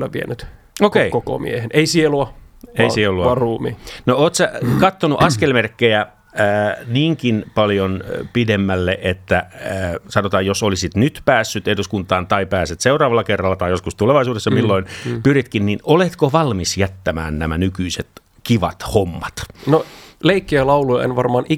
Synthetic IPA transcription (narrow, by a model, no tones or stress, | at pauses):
lːæʋʋiḛnyt̪ | okeikoko̰mḭeheneisieluɑeisieluɑɑruːmiːnooːt̪sækɑt̪ːonuʔɑskkelmerkːejæː | niːŋkinpɑljonpidemːælːeʔet̪ːæ | sɑnot̪ɑːjjosolisit̪nyt̪pæːsːyt̪eduskunt̪ˑɑːnt̪ɑipæːset̪seurɑːʋɑlːˑɑkerːɑlːɑt̪ɑijoskust̪uleʋɑisuːdesːɑmilːoinpyrit̪kinninolet̪koʋɑlmisjæt̪ːæmæ̰ːnnæmænykyiset̪ | kiʋɑ̰t̪homːɑt̪noleikːeælɑulujɑ̰ḛnʋɑrmɑːnʔi